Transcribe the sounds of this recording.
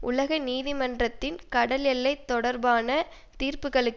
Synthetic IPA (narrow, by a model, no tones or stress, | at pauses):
ʔʊlɐɣɐniːðɪmɐndrɐt̪ːɪnkɐɽɐlɛlːɐɪt̪ːɔɽɐɾbaːnɐ | t̪iːrpɯɣɐɭɯkː